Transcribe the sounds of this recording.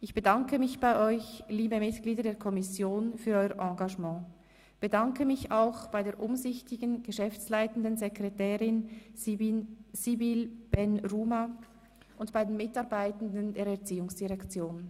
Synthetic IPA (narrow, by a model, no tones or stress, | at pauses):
ʔɪçb̥ədɑŋkəmɪçb̥aɪʔɔʏçliːbəmɪtɡ̥liːdɐdeːɐkʰɔmɪsjoːnfyːɐɾɔʏəʁʔɑ̃ːɡaʒmɑ̃ː | b̥ədɑŋkəmɪçaʊxb̥aɪdeːɐʔʊmzɪçtɪɡənɡ̥əʃɛft͡slaɪtən̩dənzɛkʁɛtɛːʁɪn | sibilb̥ɛnʁuːma | ʔʊntb̥aɪdenmɪtɑɐbaɪtən̩dəndeːɐɾɛɐt͡siːʊŋsd̥iʁɛkt͡sjoːn